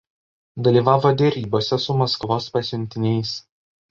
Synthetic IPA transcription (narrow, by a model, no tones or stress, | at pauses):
d̪ɐlʲiːʋɑːʋoːd̪ʲɛɾʲiːboːsʲɛsʊmɐskʋoːspɐsʲʊnʲt̪ʲɪnʲɛɪs